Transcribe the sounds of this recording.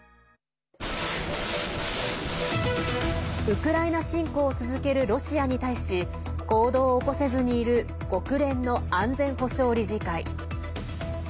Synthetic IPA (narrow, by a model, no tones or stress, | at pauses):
ɯ̟kɯ̟ɾainaɕĩŋko̞ːt͡sɨzɨke̞ɾɯ̟ɾo̞ɕiaɲ̟it̪aiɕi | ko̞ːd̪o̞ːko̞se̞zɨɲ̟iːɾɯ̟ | ɡ̥o̞kɯ̟ɾẽ̞nːo̞ãnd͡zẽ̞ɰ̃ho̞ɕo̞ːɾʲiʑikai